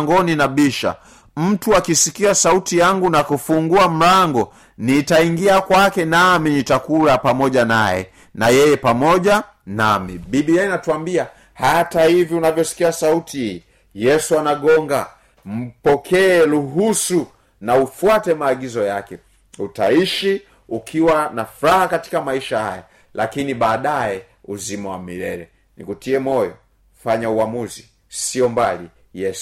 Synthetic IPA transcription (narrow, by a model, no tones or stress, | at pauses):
ŋɡɔninaɓiʃa̰ | m̩tuakisikiasautijaŋɡunakufuŋɡuam̩ɾaŋɡɔ | nitaiŋɡiakwakɛnaminitakulapamɔɟana̰jɛ̰ | najɛjɛpamɔʄa | na̰mḭbiɓiainatuambia | hatahiviunavjɔsi̥kiasautiiː | jɛsuanaɠɔŋɡa̰ | m̩pɔkʰɛːluɦusu | naufuatɛmaːɠizɔjakɛ | utaiʃi | ukʰiwanafuɾahakati̥kamaiʃahaja̰ | lakiniɓaːɗajɛ | uzimawamiɾɛɾɛ | nḭkutiɛmɔjɔ̰ | faɲauamuzi | siɔmbali | jɛsu̥